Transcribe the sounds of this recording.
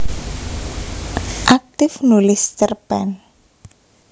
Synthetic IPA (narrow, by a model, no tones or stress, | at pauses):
ʔak̚t̪ɪfnulɪst͡ʃərpɛ̰n